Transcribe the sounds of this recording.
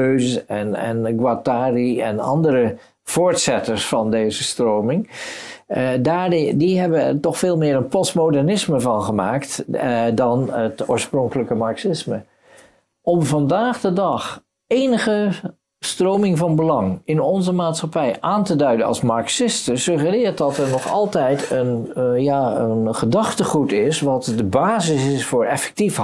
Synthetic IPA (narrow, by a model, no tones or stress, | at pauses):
øɥzsɛnɛ̰nɡwataːriɛ̰nɑ̰ndəɾə | v̥oːɹtsɛtəɹsfɑndejzəstrowmɪŋ | daːdiɦɛbəɛtɔχfeːlˠmɪːɾənpɔstmowdɛɹnɪsməvɑnχəmaːktdɑnətʊ̰ːɹsprɔŋkələkəmaɹksɪsmə | ʔɔmvɑndaːχdədɑχ | ejnəχə | strowmɪŋvɑnbəlɑŋɪnɔnzəmaːtsχapɛjʔaːntədœɥdənɑ̰lˠsmɑɹksɪstəsɵχərɪːɹt̚dɑtɛɹnɔχɑ̰lˠtɛjtənjaːənχədɑχtəχutɪsʋɑtdəbaːzɪsɪsfʊːɹɛ̰fɛ̥k̚tif